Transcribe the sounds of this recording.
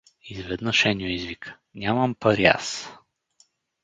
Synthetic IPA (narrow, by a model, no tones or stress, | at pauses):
izvɛd̪nəʃɛnʲoizvikʰə̥ | nʲamɐmpəɾia̰s